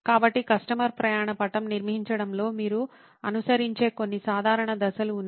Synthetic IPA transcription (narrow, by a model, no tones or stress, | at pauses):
kaːbɐʈːikɐsʂʈɐmɐɾpɾɐjaːɳɐpɐʈɐmniɾmɐɦiɲt͡ʃɐɽɐmlo̞ːmiːɾu | ɐnusɐɾiɲt͡ʃe̞ːko̞nːisaːd̪ʱaːɾɐɳɐd̪ɐsɐluːnː